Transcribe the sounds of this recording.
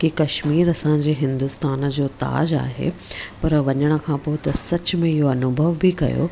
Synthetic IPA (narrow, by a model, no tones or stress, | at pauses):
kikɐʃmiːɾɐsãːɲ̆d͡ʑeːɦɪ̃nd̪ʊst̪aːn̆d͡ʑoːt̪a̰ːd͡ʑa̰ːɦḛpɐɾʋɐɲəɽ̃ə̆kʰãːpʊɪt̪ɐsɐt͡ɕʊ̆mẽɪɦoɐnʊbʱəʋbɪkɐ̰jo̰ː